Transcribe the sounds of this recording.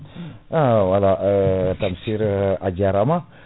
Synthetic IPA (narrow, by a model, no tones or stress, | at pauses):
awalaət̪amsiɾad͡ʒaɾama